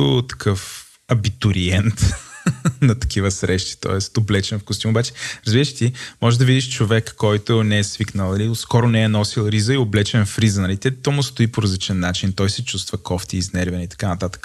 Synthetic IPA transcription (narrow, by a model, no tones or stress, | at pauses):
ot̪ɐ̥kʰɤf | ɐbit̪ʊɾiɛnt̪ | nɐt̪ɐ̥k̟ʰivəsɾɛʃt̪i̥t̪ɔ̰ɛst̪oblɛt͡ʃɛnfɡʊst̪umobat͡ʃɛ̥ɾɐzbiɾəʃt̪imɔʒɛʒd̪ɐvid̪iʃt͡ʃovɛkːɔjt̪ʊnɛɛsviknəlˠnɐliskɔɾʊnɛɛnɔsilˠɾizəioblɛt͡ʃɛnfɾizənɐlit̪ɛt̪ɔmust̪ʊipoɾɐzlit͡ʃɛnːat͡ʃint̪ɔjsɛt͡ʃust̪vəkɔft̪iːznɛɾvɛnit̪ɐ̥kanɐt̪at̪ə̥k